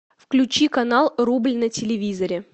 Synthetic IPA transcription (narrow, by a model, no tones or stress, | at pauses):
fklʲʉt͡ɕikɐnalˠrublʲnətʲɪlʲɪvʲizəɾʲɪ